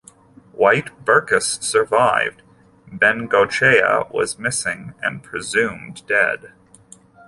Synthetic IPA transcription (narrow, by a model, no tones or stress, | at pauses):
waɪtb̥ɜ˞kɨsːə˞vaɪvd | bɛ̃nɡoʊt͡ʃʰeɪə̰wʌ̰zmɪsɪ̃ŋɨ̰̃npʰɹ̥ɨzʉ̃mdɛ̰d̥